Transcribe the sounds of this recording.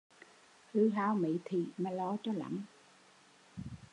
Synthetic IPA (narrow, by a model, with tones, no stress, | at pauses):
hɨ˧˦ɦaː˧˦wmḭ˧˨t̪ʰi˨˩maː˨˩lɔ˧˦t͡ɕɔ˨˧la̰˧˩˦ŋ